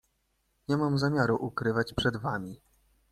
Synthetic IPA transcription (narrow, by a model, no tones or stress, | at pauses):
ɲɛmamzamʲjaɾuʔukɾɘvat͡ɕpʂɛd̪vamʲi